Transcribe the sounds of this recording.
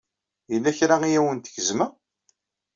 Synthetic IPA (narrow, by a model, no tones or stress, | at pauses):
jəlːæçɾaijæwənt̪ə̥çəzmæ